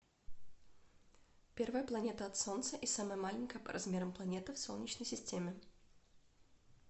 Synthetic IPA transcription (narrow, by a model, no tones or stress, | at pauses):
pʲe̞rvəjəplˠɐnʲet̪əɐt̪sont̪səʔisaməjəmalʲɪnʲkəjəpə̰ɾʔɐzmʲeɾəmplˠɐnʲe̞t̪ɨfsolˠnʲɪt͡ɕnəjsʲɪsʲtʲemʲɪ